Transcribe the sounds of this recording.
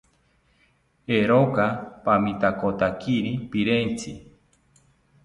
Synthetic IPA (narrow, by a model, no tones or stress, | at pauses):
eɾokapamĩt̪akot̪akʰiɾipiɾent͡si